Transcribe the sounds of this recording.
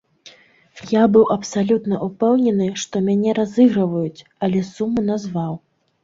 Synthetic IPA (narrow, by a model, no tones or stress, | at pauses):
jabɨwʔɐpsalʲut̪nɐʔupɛwnʲɛnɨʂt̪ɔmʲanʲɛɾazɨɣɾɐvɐjut͡sʲ | ɐlʲɛsumːɨnazvaw